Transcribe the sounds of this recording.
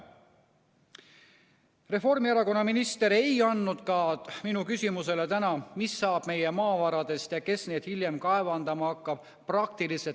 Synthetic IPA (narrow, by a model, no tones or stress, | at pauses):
re̞fo̞rmiɑɾɑko̞nːɑminist̪e̞ɾe̞jɑnːud̪̥kɑminukysʲimuse̞le̞t̪ænɑmisːɑːb̥me̞jemɑːvɑɾɑd̪̥e̞st̪jɑke̞sne̞ːd̪hilje̞mkɑe̞vɑnd̪ɑmɑɑkːɑb̥̚ | prɑk̚t̪ilise